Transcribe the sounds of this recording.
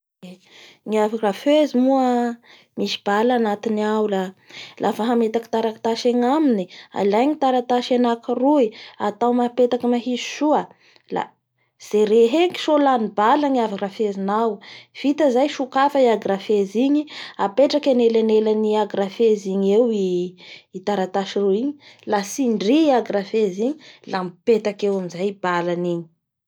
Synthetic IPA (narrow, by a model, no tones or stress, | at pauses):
ŋiaviraføzimuə | miʃi̥b̥alanat̪iniawlalʔafaɦamet̪aki̥t̪aɾakt̪aʃeŋaminia̰lajɲit̪aɾat̪aʃenakiruiat̪awmapet̪akəmaɦiz̥ʃuə | la̰ | z̥eɾeɦeŋki̥ʃolanibaləŋiavarafezinawv̥it̪əzajʃukafəiaɡrafeziɲiapeʈ͡ʂakʲanelanelaniaɡrafeziɲewiː | t̪aɾat̪aʃiruiɲi̥lasiɳɖ͡ʐiiaɡrafeziɲi̥lampet̪akewamizajb̥alaniɲi̥